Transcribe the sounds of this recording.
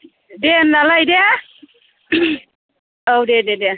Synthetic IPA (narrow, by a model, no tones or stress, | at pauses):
denːalajdea | owdedede